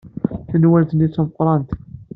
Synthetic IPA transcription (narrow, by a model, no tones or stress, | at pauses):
θənwælθənit͡sːoməqɾˤɑnt̪